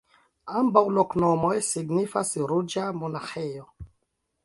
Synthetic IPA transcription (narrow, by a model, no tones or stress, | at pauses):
ambawloknomojsiɡnifasɾud͡ʒamonaxejo